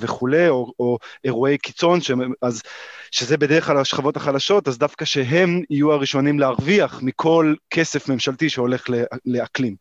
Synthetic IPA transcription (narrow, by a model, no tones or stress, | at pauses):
veχule̞jooeʁue̞jki̥t͡so̞nʃeazʃezebedeʁeχklalaʃχavo̞taχalaʃo̞tazdafkaʃe̞ɦe̞mijuaʁiʃo̞nimleaʁviaχmikʰo̞lkʰe̞se̞fme̞mʃaltiʃeo̞le̞χlele̞aklim